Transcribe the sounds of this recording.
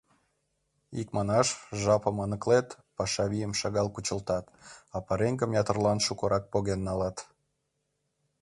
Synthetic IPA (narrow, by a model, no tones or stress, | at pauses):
ikmɑnɑʃʒɑpə̆mɑnə̆klet̪ | pɑʃɑβijəmʃɑɣɑlkut͡ɕəlt̪ɑt̪ɑpəɾeŋɡəmjɑt̪ə̆rlɑnʃukə̆ɾɑk̚poɣenːɑlɑt̪